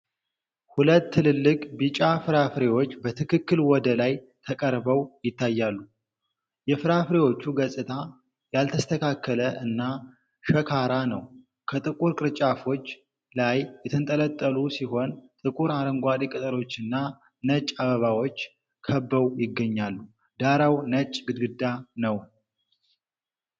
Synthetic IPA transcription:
hulət̪ːɨlɨlːɨkʼbit͡ʃʼafɨɾafɾe̞wo̞t͡ʃːbət̪ʰɨkʰɨkːɨlwɔd̪əlaj | t̪ʰəkʼəɾbəwjɪt̪ʰːajːalːu | jɛfɨɾafɾe̞wo̞t͡ʃːuɡəsʼɨt̪ʰa | jalt̪ʰəst̪ʰəkʰakːələʔɨnːa | ʃəkʰaɾanəw | kʰət̪ʼɨkʼuɾkʼɨɾt͡ʃʼafo̞t͡ʃː | lajːɛt̪ʰənt̪ʼələt̪ʼːəlusiɦo̞nt̪ʼɨkʼuɾaɾəŋɡʷad̪ikʼɨt̪ʼɨɾo̞t͡ʃːɨnːa | nət͡ʃʼːaβəβawo̞t͡ʃː | kʰəbːəwjɪɡːəɲːalːu | d̪̥aɾawnət͡ʃʼːɡɨd̪ɡɨd̪ːanəw

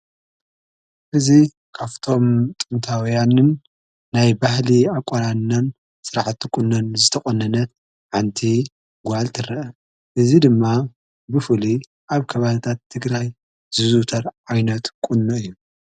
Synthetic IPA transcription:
ʔɨzi | kʰaft̪ʰo̞mt̪ʼɨnt̪ʰawjanɨnː | ajbahliakʼoɾanːɐn | sɨɾaħt̪ːikʼʊnːɐnzɨt̪ʰɐxʼonːɐnɐt̪̚ | ʕant̪ʰi | ɡʷalt̪ʰɨrɐʔɐ | ʔɨzid̪ɨmːa | bɨfɨli | ʔaβkʰɐβalɨt̪ʰat̪ʰːɨɡɾaj | z̥ɨzut̪ʰɐɾʕajnɐt̪kʼunːɨɨjːu

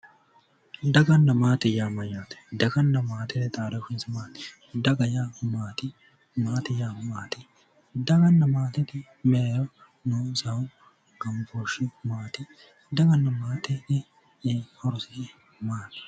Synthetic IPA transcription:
d̪ɐɡɐnːɐmaːt̪ɪjaːmɐjaːt̪ɛ̥d̪ɐɡɐnːɐmaːt̪ɪnɛt̪ʼaːɾɐkɪnsɪmaːt̪ɪ̥ | d̪ɐɡɐjamaːt̪ɪ | maːt̪ɪjaːmaːt̪ɪ | d̪ɐɡɐnːɐmaːt̪ɪt̪ɪ | meːɾɔ | nusɐʊ | ɡɐmfoʃɪmaːt̪ɪ | d̪ɐɡɐnːɐmaːt̪ɪnɛ | hɔɾʊsɪɪ | maːnɐ̥

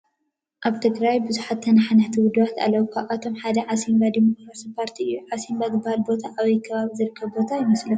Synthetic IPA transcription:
ʔaβt̪ʰɨɡɾajbɨzuħat̪ːʰɐnaħanat̪ʰiwʊd̪uβat̪a̰lːɐwukʰaβʔat̪ʰo̞mħad̪ɐʕasimbad̪imo̞kɾasipʰaɾt̪ʰiɨjːuʕasimbazɨbahalbo̞t̪ʰaʔaβɐjkʰɐβaβizɨɾɨkʰːɐβbo̞t̪ʰajɪmɐslu

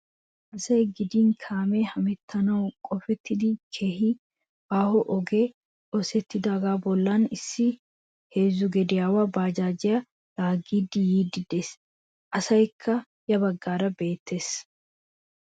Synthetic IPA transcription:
ʔɐsɐjɡɪd̪ɪnkʰaːmɛhɐmɛt̪ʰːɐnɐwkʼɔfɛt̪ʰːɪd̪ɪkʰe̞ːhɪ | aːhɔʔɔɡe | ʔɔsɛt̪ːɪd̪aːɡaːbɔlːɐnɪsːɪ | he̞ːzʊɡɛd̪ɪjaːwabaːd͡ʒaːd͡ʒɪjɐ | laːɡiːd̪ɪjiːd̪ɪd̪es | ʔɐsɐjkʰːɐ | jɐbɐɡːaːɾɐbe̞ːt̪ːe̞ːs

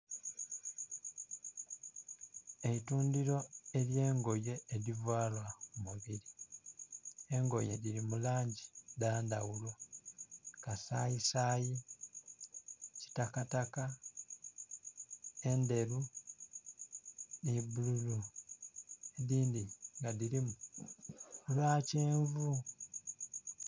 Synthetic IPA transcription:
e̞ituːndiɾo̞e̞lje̞ːŋɡo̞je̞ːɾivwaːlwaumuβiɾi | eŋɡo̞̰je̞̰ɾiɾimulaːɲɟidaːndawulo̞ | kasaːjisaːji | ci̥takataka | e̞nde̞ɾu | nibululu | eðiːndiŋɡadiɾimu | ulaːceːɱvu

